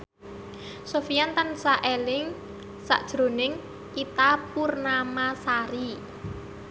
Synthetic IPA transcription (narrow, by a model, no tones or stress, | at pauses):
sofijant̪ansaʔelɪŋ | sa̰ʔd̥ʒ̥ɾo̤nɪŋ | kit̪apurnamasaɾi